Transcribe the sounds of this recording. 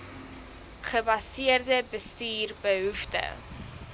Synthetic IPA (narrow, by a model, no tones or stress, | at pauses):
χəbɐsiərdəbəstyːrbəɦuftə̰